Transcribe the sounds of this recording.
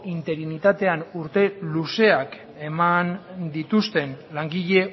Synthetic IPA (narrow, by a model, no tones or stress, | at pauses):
int̪e̞ɾinit̪at̪e̞anuɾt̪e̞luse̞ak | e̞mand̪it̪ust̪e̞nlaŋɡiʎe̞